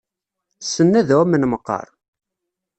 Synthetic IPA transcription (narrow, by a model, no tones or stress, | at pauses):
sːənːæðæwæmənməqːə̰ɾˤ